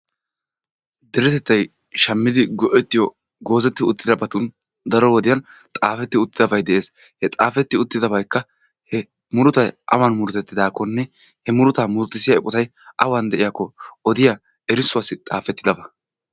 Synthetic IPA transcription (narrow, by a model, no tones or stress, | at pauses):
d̪ɛɾɛt̪ɛt̪ːɐj | ʃɐmːɪd̪ɪɡɔʔɛt̪ːɪjɔ | ɡo̞ːzɛt̪ːɪʊt̪ːɪd̪ɐbɐt̪ʊn | d̪ɐɾɔwɔd̪ɪjɐnt̪ʼaːfɛt̪ːɪʊt̪ːɪd̪ɐbɐjd̪ɛʔe̞ːs | hɛt̪ʼaːfɛt̪ːɪʊt̪ːɪd̪ɐbɐjkːɐ | hɛ | mʊɾʊt̪ɐjʔɐ̰wanmʊɾʊt̪ɛt̪ːɪd̪aːkːɔnːɛ | hɛmʊɾʊt̪aːmʊɾʊt̪ːɪsɪjaɛpʼʊt̪ɐj | ʔɐwaːnd̪ɛʔɪjakːɔɔd̪ɪja | ɛɾɪsʊwaːsɪt̪ʼaːfɛt̪ːɪd̪ɐbɐ